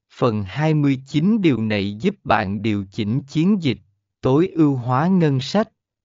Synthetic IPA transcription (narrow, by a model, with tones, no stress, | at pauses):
fə˨˩nhaː˧jmɨ˧əjt͡ɕi˨˦nɗi˨˩əwna˨˩jzu˦˥p̚ɓa̰ː˧˨nɗi˨˩əwt͡ɕi˧˩ŋ̟t͡ɕi˨˦ənzi˨˩k̟̚ | t̪o˨˦jʔɨ˧wɦwaː˨˦ŋə˧nsa˦˥k̟̚